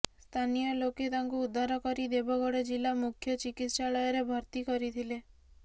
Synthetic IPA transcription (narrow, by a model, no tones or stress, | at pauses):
st̪ʰanijɔloket̪aŋkuud̪ʱːaɾɔkɔɾid̪ebʱɔɡɔɽed͡ʒilamukʰjɔt͡ʃikit̪ʃaɭɔjɔɾebʱɔɾt̪ikɔɾit̪ʰile